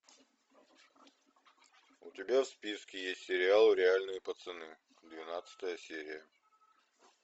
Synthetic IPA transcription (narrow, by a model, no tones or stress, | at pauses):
ʊ̰tʲɪbʲafspʲiskʲɪjesʲtʲsʲɪɾʲɪalˠɾʲɪalʲnɨjəpət̪sɨnɨ | d̪vʲɪnat̪sɨ̥t̪əjəsʲeɾʲɪjə